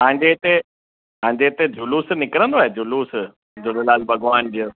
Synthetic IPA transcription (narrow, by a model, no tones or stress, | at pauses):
ɦãːɪ̃ɲd͡ʑet̪e | ãːɲ̆d͡ʑet̪ed͡ʑʊluːsnɪkɾə̃nd̪oaːɦed͡ʑʊluːs | d͡ʑod̪ɪlaːlbʱɐɡʋaːnd͡ʑə